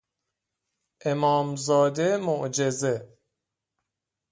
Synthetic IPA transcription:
ʔe̞mɒːmzɒːd̪e̞moʔd͡ʒe̞ze

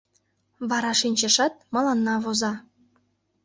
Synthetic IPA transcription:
βɑɾɑʃinʲt͡ɕĕʃɑt̪̚mɑlɑnːɑβozɑ

